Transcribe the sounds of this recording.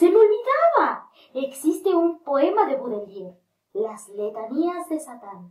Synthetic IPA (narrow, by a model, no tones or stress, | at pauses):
semolβiðaβa | eksist̪e̞umpo̞e̞maðe̞βoðeljeɾ | lazlet̪aniazðe̞sat̪an